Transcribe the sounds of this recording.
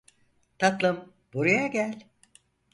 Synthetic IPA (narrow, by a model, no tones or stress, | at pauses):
t̪ʰat̪lˠɯm | b̥oɾujaɟælʲ